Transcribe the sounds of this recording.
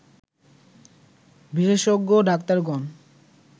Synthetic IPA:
biʃeʃoɡːoɖakt̪aɾɡɔn

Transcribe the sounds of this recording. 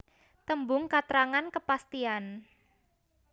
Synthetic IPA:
t̪əmbʊŋkat̪ɾaŋankəpast̪ian

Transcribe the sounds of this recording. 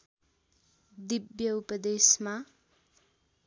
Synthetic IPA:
d̪ibjʌupʌd̪esma

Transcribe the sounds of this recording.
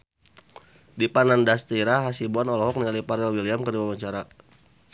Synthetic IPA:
dipanandast̪iɾaɦasibuanɔlɔɦɔk̚nialipaɾɛlwiliamkərdiwawaɲt͡ʃaɾa

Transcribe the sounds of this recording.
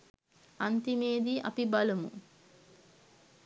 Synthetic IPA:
ant̪imeːd̪iʔa̰pibaləmṵ

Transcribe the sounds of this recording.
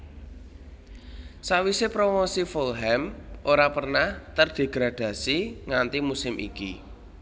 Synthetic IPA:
sawisepɾomosifolɦɛmʔoɾapərnaht̪ərɖ̪̥e̤ɡ̥ɾad̪̥ä̤siŋant̪imusɪmʔḭki

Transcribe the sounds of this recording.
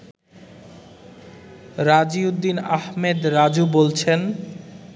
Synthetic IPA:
ɾad͡ʑiud̪ːinahmed̪ɾad͡ʑubolt͡ɕʰen

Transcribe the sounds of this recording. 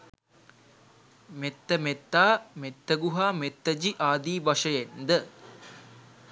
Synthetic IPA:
met̪ːəmet̪ːaːmet̪ːəɡuɦaːmet̪ːəd͡ʒiʔaːd̪iːbaʂəjend̪ə

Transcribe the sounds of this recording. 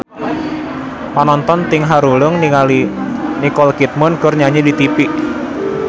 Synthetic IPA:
panɔnt̪ɔnt̪ɪŋɦaɾulʊŋnialinikɔlkit̪̚mɔnkʊrɲaɲedit̪ipiʔ

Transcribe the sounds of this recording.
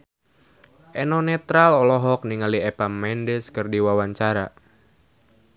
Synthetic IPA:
ʔɛnɔnɛt̪ɾalɔlɔɦɔk̚niŋaliɛpamɛndɛskərdiwawaɲt͡ʃaɾa

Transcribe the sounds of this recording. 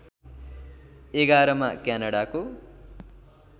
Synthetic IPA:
eɡaɾʌmakjanʌɽako

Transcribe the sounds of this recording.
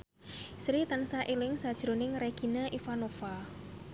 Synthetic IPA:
sɾit̪ansaʔilɪŋsad̥ʒ̥ɾonɪŋreɡ̥i̤naʔifanofa

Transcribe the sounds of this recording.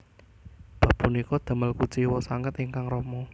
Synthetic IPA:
b̥a̤b̥unikɔd̪̥ə̤məlkut͡ʃiwɔsaŋət̪iŋkaŋrɔmɔ

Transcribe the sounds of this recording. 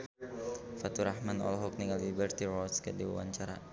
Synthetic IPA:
fat̪uɾahmanɔ̰lɔɦɔk̚niŋalibərt̪irɔskədiwa̰wa̰ɲt͡ʃaɾa̰

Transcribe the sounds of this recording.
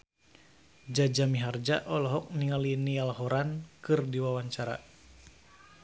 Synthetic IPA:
d͡ʒad͡ʒamiɦard͡ʒaʔɔlɔɦɔk̚niŋalinialaɦɔɾankɨrdiwawaɲt͡ʃaɾa̰

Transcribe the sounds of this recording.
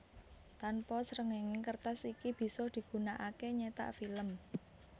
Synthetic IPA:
t̪anpɔsəɾəŋeŋɪŋkərt̪asikib̥i̤sɔd̪̥i̤ɡ̥ṳnaʔakeɲet̪a̰ʔfiləm

